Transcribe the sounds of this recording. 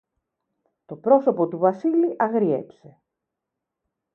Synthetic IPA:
t̪o̞pɾo̞so̞po̞t̪uvɐsiliʔɐɣɾiḛpse̞

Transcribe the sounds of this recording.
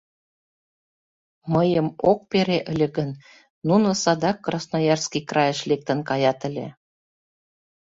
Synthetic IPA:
məjəmok̚peɾeʔə̆lʲĕɣə̆nː | unosɑd̪ɑkːrɑsnojɑrskikrɑjə̆ʃlek̚t̪ə̆nkɑjɑt̪ə̆lʲḛ

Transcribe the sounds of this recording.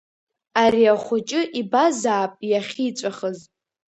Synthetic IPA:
aɾiaχʷʊt͡ʃʼɪʔibazaːpʼjaχʲit͡ʃʷʼaχəz

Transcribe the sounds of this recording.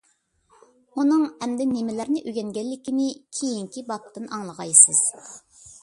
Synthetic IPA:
unɨŋhɛmd̪ɪnemɪlæɾnɪʔøɡʲɛŋɡʲɛlːɪkʲinɪkʲʰejiŋkʲibɑp̚t̪ʰɨnʔɑŋlˠəʁɑjsɨz̥

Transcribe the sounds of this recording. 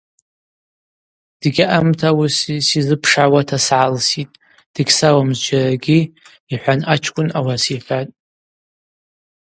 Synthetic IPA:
d̥ɡʲiʔamtʰawusisizɨpʰʂʕawatʰasʕalsitʼ | d̥ɨɡʲsawamzd͡ʒaraɡʲi | iħʷanat͡ʃʰkʷʼʊnawasiħatʼ

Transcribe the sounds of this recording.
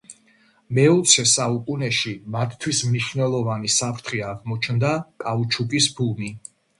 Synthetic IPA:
mɛɔt̪sʰɛsaukʼunɛʃimat̪ʰt̪ʰwismniʃvnɛlˠɔvanisapʰɾt̪ʰχiaʁmɔt͡ʃʰnd̪akʼaut͡ʃʰukʼisbumi

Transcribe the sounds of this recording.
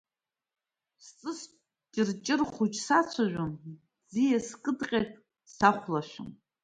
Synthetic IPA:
st͡sʼɨs | t͡ʃʼɨrt͡ʃʼɪrχχut͡ʃʼsat͡sʷʰaʒʷᶣam | d͡zijaskʼɨdqʲʼepʼ | saχʷlaʃʷᶣʊ̰m

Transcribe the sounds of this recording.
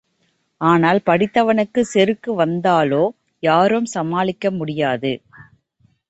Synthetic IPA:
aːnaːlpɐɽɪt̪ːɐʋɐnɯkːɯsɛɾɯkːɯʋɐnd̪aːloː | jaːɾɯmsɐmaːlɪkːɐmʊɽɪjaːðɯ

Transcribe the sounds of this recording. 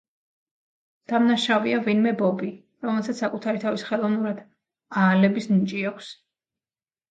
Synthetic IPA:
d̪̥amnaʃaviavinmɛbɔbi | ɾɔmɛlˠsat̪ssakʼut̪ʰaɾit̪ʰavisχɛlˠɔvnuɾad̪̥ | aːlɛbisnit͡ʃʼiakʷʰs

